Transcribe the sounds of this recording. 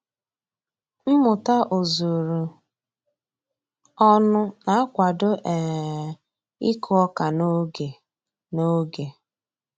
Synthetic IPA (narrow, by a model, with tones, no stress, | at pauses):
m̩˦mʊ˨ta˦ʔo˨zo˨ɾu˨ | ɔ˦nʊ˦na˨a˦kʷa˨dʊ˦ʔɛ˨ | i˦kʰʊ˦ɔ˦ka˨no˦ɡe˨ | no˦ɡe˨